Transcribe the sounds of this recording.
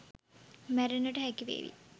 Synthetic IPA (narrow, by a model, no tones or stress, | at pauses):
mæɾenːəʈəɦækiʋḛːʋḭ